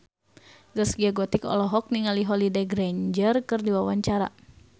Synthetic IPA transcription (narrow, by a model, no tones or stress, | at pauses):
zəsɡiaɡɔt̪ikɔ̰lɔɦɔk̚niŋaliɦɔlideɡɾɛɲd͡ʒərkɨrdiwawaɲt͡ʃaɾa̰